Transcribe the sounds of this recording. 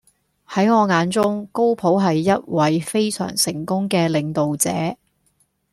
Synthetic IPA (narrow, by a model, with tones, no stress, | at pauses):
hɐ˨˥jŋɔː˨˧ŋaː˨˧nt͡sʊ˥ŋko˥wpʰo˨˥wɦɐ˨jːɐ˥t̚wɐ˨˥jfe˥jsœ̰ː˨˩ŋsɪ˨˩ŋkʊ˥ŋkɛː˧lɪ˨˧ŋt̪o˨wt͡sɛ̰ː˨˥